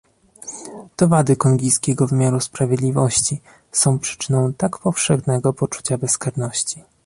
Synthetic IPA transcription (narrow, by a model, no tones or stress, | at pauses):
t̪ɔvad̪ɘkɔŋɡʲijskʲɛɡɔvɘmʲjaɾuspɾavʲjɛd̪lʲivɔɕt͡ɕi | sɔ̃w̃pʂɘ̥t͡ʂɘ̥nɔ̃w̃t̪akpɔfʂɛxnɛɡɔpɔt͡ʂu̥t͡ɕabɛskaɾnɔɕt͡ɕi